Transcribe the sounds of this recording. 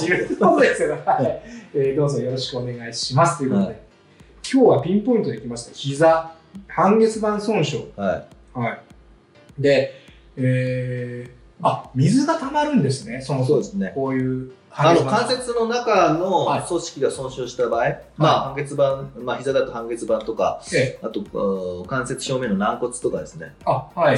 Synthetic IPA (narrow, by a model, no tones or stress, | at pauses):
jkot̪od̪esjhaieːd̪o̞ːzo̞jo̞ɾo̞ɕi̥kɯo̞ne̞ɡaiɕimasɨ̥t̪oiɯ̟kood̪e | kʲʰo̞ːβapʲĩmpõ̞ĩt̪o̞d̪eikʲimaɕi̥t̪açiza | hãŋɡe̞t͡sɨbãɰ̃sõ̞ɰ̃ɕohaihai | d̪e̞ | eː | amʲizɨɡat̪amaɾɯ̟̃nd̪e̞sɨne̞somsoːd̪esɨne̞koːjɯ̟ːãanokãɰ̃se̞t͡sɨno̞nakano̞so̞ɕi̥kʲiɡasõ̞ɰ̃ɕoːɕi̥t̪abaːi | maːhãŋɡe̞t͡sɨbãɴmaçizad̪at̪o̞hãŋɡe̞t͡sɨbãnt̪o̞ka̰at̪o̞kãɰ̃se̞t͡sɨ̥ɕo̞ːmẽ̞nonãŋko̞t͡sɨ̥t̪o̞kad̪e̞sɨne̞ahai